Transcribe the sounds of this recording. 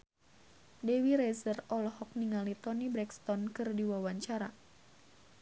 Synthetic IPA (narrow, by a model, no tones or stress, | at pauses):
dewiɾesərɔlɔɦɔk̚niŋalit̪ɔnibɾɛkst̪ɔnkɨrdiwawaɲt͡ʃaɾa